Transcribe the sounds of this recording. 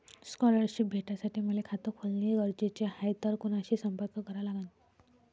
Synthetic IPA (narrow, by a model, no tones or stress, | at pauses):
skɔləɾɕip̚bʱeʈasaʈiːməlekʰat̪əkʰolniɡəɾd͡ʑet͡ɕehajt̪əɾkunaɕiːsəmpəɾkʰəkəɾalaɡənt̪